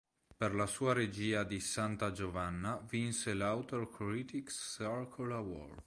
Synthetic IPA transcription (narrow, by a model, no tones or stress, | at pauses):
perlasuːaɾed͡ʒiːad̪isant̪ad͡ʒovanːavinselawt̪orkɾit̪iksaɾkʰolawɔ̰r